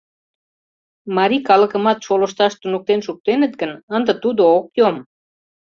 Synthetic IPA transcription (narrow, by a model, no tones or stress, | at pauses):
mɑɾikɑlə̆kə̆mɑt̪ʃoləʃt̪ɑʃt̪unuk̚t̪enʃuk̚t̪enə̆t̪̚ɡənənd̪ət̪ud̪ookjom